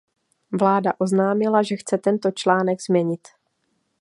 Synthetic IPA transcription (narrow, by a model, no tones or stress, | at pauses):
vlaːdaʔo̞znaːmɪlaʒɛxt͡sɛt̪ɛnt̪o̞t͡ʃlaːnɛɡz̥mɲɛɲɪt̪